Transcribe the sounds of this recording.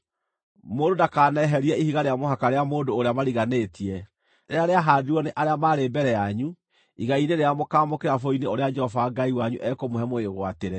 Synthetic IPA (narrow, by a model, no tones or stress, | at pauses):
moːdodakaːnɛɦɛɾiɛihiɣaɾeamoɦakaɾeamoːndoːɾeamaɾiɣaneːtiɛ | ɾeaɾeaɦaːdiɔneʔaɾeamaːɾeːbɛɾɛjaɲu | iɣaineɾeamokaːmokeɾafoineoɾead͡ʒɛhɔvaːŋɡaiwaɲuʔɛkomoɦɛmoeɣwateɾɛ